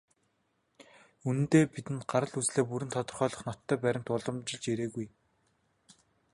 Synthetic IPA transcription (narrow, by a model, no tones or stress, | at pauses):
unɘ̆nt̪eːpit̪ɘ̆nɢaɾə̆ɮut͡sɮeːpuɾɘ̆nt̪ʰɔt̪ɞ̆rχœːɮɞ̆χnɔt̪ʰːœːpæɾʲɪ̆ŋt̪ʊɮɞ̆mt͡ɕɪ̆ɮt͡ɕeɾeːɣuj